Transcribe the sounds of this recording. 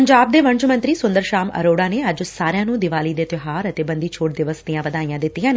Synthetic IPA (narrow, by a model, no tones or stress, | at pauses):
əɲd͡ʒaːb̚d̪eːʋəɲt͡ʃmə̃nt̪ɾiːsʊnd̪əɾʃaːmə̰ɾoːɽãːneːəd͡ʒsaːɾɪjãːnũːd̪ɪʋaːliːd̪eːt̪ɪɦaːɾət̪eːbənd̪iːt͡ʃʰoːʈ̚d̪ɪʋəsd̪ijãːʋəd̪aːijãːd̪ɪt̪ːijãːne